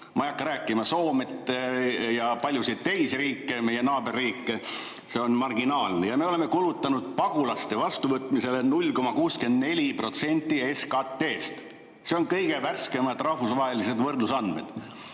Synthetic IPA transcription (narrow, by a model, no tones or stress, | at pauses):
mʔɑijɑkːɑɾæːkːˑimɑso̞ːmet̪ːˑjɑpɑlʲjusit̪ːe̞jsriːkˑːe̞me̞je̞nɑːbe̞rːiːkːe | se̞o̞nmɑrɡinɑːlnejɑme̞o̞le̞me̞kulut̪ːˑɑnud̪̥̚pɑɡ̥ulɑst̪e̞vɑst̪uvɤt̪ˑmise̞le̞nulʲko̞mɑkuːske̞nd̪ne̞lʲipro̞t̪se̞nʲt̪ːˑieskɑt̪ːe̞ːst̪ | se̞o̞nkɤjɡ̥e̞værske̞mɑd̪̥rɑhfusvɑɦe̞lise̞d̪vɤrd̪usɑnd̪me̞̰d̪̥